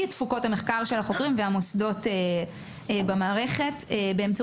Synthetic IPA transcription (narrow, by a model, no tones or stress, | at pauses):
atfuko̞thameχkaʁʃe̞lhaχo̞kʁimveamosdo̞te | bamaːʁe̞χe̞tebeemt͡sa